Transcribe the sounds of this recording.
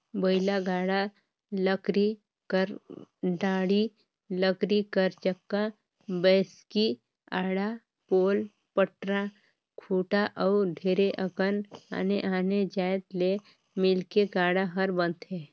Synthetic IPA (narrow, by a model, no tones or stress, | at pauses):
bəɪlaɡaːɽa | ləkɾi | kəɾɖaːɽi | ləkɾikəɾt͡ʃəkːa | bɛːski | aːɽa | poːl | pəʈɾa | kʰuːʈaʔɔːɖʱeːɾeʔəkəna̰ːneʔaːned͡ʒaːet̪le | mɪlkeɡaːɽaɦəɾbə̃nt̪ɦɛː